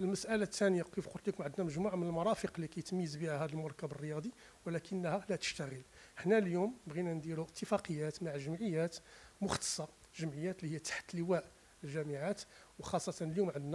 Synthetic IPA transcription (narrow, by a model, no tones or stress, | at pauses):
ʔəlməsʔælæt̪ʰːænəjakifqʊlt̪likʊmʕəd̪næməʒmuʕmənəlmɑɾˤɑfəqlikæjt̪mjəzbihæhæd̪əlmʊɾˤkæbərːəjɑd̪ˤi | wəlækənːhælæt̪ə̥ʃt̪æɣəlħnæljumnəbɣinænd̪iɾuʔət̪ːəfɑqəjːæt̪maʕʒəmʕəjːæt̪mʊxt̪ə̥sˤːɑ | ʒəmʕəjːæt̪lihəjːæt̪ḁħt̪ləwæʔ | əlʒæməʕat̪ | wxɑsˤːɑt̪ɑnəljumʕəd̪næ